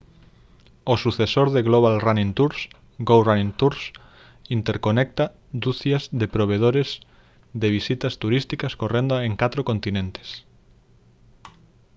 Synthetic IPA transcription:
osuθesoɾðeɣloβ̞alranĩnt̪uɾs | ɡowranĩnt̪uɾs | int̪eɾkonek̚t̪a | d̪uθjazðepɾoβ̞eð̞oɾez | ðeβ̞isit̪ast̪uɾist̪ikaskorend̪oaeŋkat̪ɾokont̪inẽnt̪e̥s

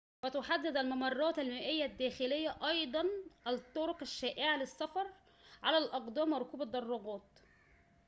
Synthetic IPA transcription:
wæt̪ʊħad̪ːɪd̪ælmɑmɑrˤːɑːt̪ælmæːʔɪjːæd̪ːæːxɪlɪjːæʔɑjd̪ˤɑnʔæt̪ˤːoɾoqaʃːæːʔeʕalɪsːæfɑɾˤ | ʕalælʔɑqd̪ˤɑːmɑɾˤkuːbæt̪d̪ːɑrˤːɑɡɑːt̪

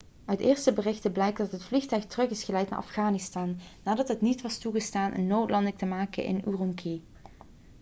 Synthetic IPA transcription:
œɥtɪːɹstəbərɪxtəblɛjk̚dɑtɦətflixtœɥxtərɵχɪsχəlɛjtna̰ɹʔɑ̰fɣaːnɪstaːnːaːdɑtɦətnitʋɑstuɣəstaːnʔɛ̰nːowtlɑndəktəmaːkə̰nʔɪ̰nurʊŋkʰi

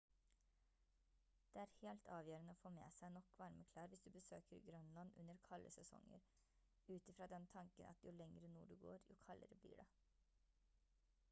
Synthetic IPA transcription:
d̪̥eːæːɾheːlt̪ʰɑːʋjøːɾənəoːfoːmḛːsæɪnɔkːʋɑɾməkʰlɑːɾʋɪsd̪ʉbəsøːkəɾɡɾœnlɑnʉ̰nːəɾkʰɑlːʔəsɛsɔ̰ŋːə̰ɾ | ʉːt̪ɪfɾɑːd̪ɛnt̪ʰɑŋkənʔɑ̰t̪jʊlɛŋɾənṵːɖʉɡo̰ːɾjʊ̰kʰɑlːə̰ɾəblḭːɖɛ

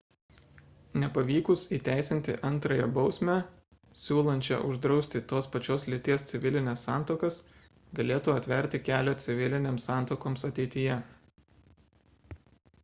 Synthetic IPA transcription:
nʲɛpɐʋʲiːkʊsiːt̪ʲæˑɪsʲɪnʲt̪ʲɪ̰ʔɐnˑt̪ɾɐjɛbɒʊsʲmʲæ | sʲuːlˠɐnʲt͡ʃʲɛ̰ʔʊʒd̪ɾɒʊsʲt̪ʲɪt̪oːspɐt͡ʃʲoːslʲɪt̪ʲiɛst̪sʲɪʋʲɪlʲɪnʲɛːsːɑˑnt̪oːkɐs | ɡɐlʲeːt̪uːɐt̪ʲʋʲɛɾʲˑt̪ʲɪkʲæːlʲɛt̪sʲɪʋʲɪlʲɪnʲeːmsːɑˑnt̪okoːmsɐt̪ʲɛɪt̪ʲɪjɛ

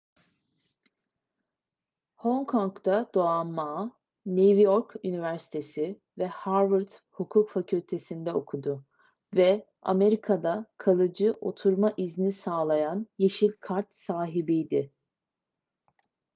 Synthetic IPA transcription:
hoŋkʰoŋkt̪ʰad̪̥o̞amːaː | nevjoɾkynivæɾsi̥t̪ʰe̞sɪ | vɛhaɾvɯɾt̪hukʰuːkfacʰylʲt̪ʰe̞sind̪ɛo̞kʰud̪ʊ | vɛ | a̰me̞ɾikʰad̪akʰalˠɯd͡ʒɯʔo̞̰t̪ʰuɾmaʔizinisaːlˠajanjeʃilʲkʰaɾt̪saːɦibijd̪ɪ

